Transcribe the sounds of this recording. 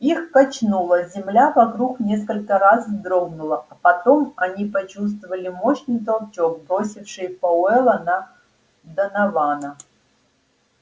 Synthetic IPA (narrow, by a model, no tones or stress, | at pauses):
ixkɐt͡ɕnulˠəzʲɪmlʲavɐkɾuknʲe̞s̬kəlʲkəɾasvd̪ɾoɡnʊlˠəɐpɐt̪o̞mɐnʲipɐt͡ɕus̬t̪vəvəlʲɪmo̞ɕnɨjt̪ɐlˠt͡ɕo̞k̚bɾo̞sʲɪfʂɨjpɐʊɛlˠənɐ | d̪ənɐvanə